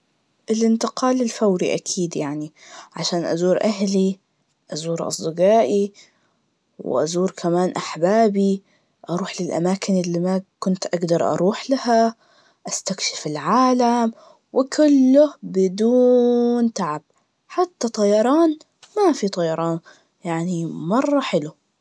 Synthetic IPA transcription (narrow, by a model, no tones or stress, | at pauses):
ʔɪlʔɪnt̪ɪqɑːlɪlfawɾḭʔakʰiːd̪jaʕniʕa̰ʃaːnʔazuːɾʔaɦli | ʔazuːɾʔɑ̰sˤd̪ɨɡaːʔi | w̰ʔa̰zuːɾkʰamaːnʔaħbaːbi | ʔɑɾˤuːħlɪlʔa̰maːkɪnʔɪlːimakʊnt̪ʔaɡd̪ɑɾˤʔɑ̰ɾˤuːħlaha | ʔast̪akʃɪ̥fɪlʕaːlam | wɪkʰʊlːʊhbɪd̪uːnt̪aʕab̚ | ħat̪ːat̪ˤɑjɑɾˤɑːn | mafit̪ˤɑjɑɾˤɑːn | jaʕnimɑrˤːɑħɪlu